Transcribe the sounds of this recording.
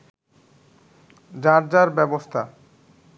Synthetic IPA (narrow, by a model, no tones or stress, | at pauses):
d͡ʑaɾd͡ʑaɾbɛbost̪ʰa